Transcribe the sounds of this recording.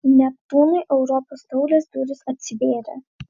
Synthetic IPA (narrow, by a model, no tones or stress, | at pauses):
nʲɛp̚t̪uːnɐɪʔɛʊɾɔpoːst̪ɔʊlʲesd̪uɾʲɪsɐt̪ʲsʲɪʋʲeːɾʲḛ